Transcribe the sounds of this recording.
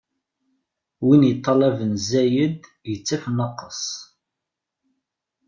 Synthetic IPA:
winjət̪ˤːɑlævənzæjəd̪ | jət͡sːæfnːəqːəsˤ

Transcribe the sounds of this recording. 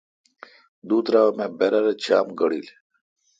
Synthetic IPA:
d̪uːt̪ɾaɐmebeɾɐɾet͡ɕʰa̰ːmɡɐɽḭːl

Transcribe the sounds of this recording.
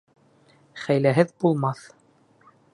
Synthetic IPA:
χæjlæɦɘðbulˠmɑθ

